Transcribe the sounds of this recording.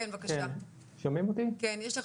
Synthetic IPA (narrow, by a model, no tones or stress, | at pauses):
envakakʃean | ʃomimot̪ikenjɛʃleχ